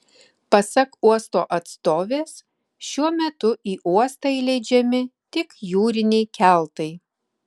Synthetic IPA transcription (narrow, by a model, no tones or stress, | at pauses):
pɐsɐkuɔst̪o̰ːʔɐt̪st̪oːʋʲeːs | ʃʲuɔmʲɛt̪ʊʔiːʔuɔst̪ɐɪlʲɛɪd͡ʒʲɛmʲɪt̪ʲɪkjuːɾʲɪnʲɛɪkʲæˑlˠt̪ɐɪ